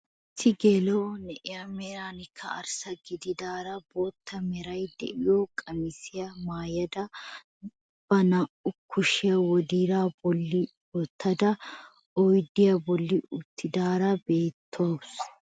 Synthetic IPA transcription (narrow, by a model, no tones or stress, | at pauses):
ɪt̪ːɪɡelonɛʔɪjɐmɛɾaːnɪkʰːɐ̰ɐ̰ɾsɐɡɪd̪ɪd̪aːɾɐbo̞ːt̪ʰːɐmɛɾɐjd̪ɛ̰ʔɪjokʼɐmɪsɪjɐmaːjɐd̪ɐ | b̥ɐnɐʔʊkʰːʊʃɪjɐwɔd̪iːɾaːbɔlːɪ | wɔt̪ʰːɐd̪ɐ | ɔjd̪ɪjɐbɔlːɪʊt̪ːɪd̪aːɾɐbe̞ːt̪ʰːʊwɐs